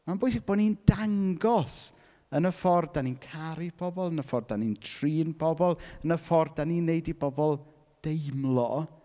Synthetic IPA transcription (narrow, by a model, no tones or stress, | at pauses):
manbʊɨs̬ɪɡ̚b̥oːdniːnd̥aŋɡɔs | ənəfɔrdaninkʰaɾibʰɔbɔlˠənəfɔrdanintʰriːnbʰɔbɔlˠənəfɔrdaninːejdibɔbɔlˠ | d̥ejmlˠɔ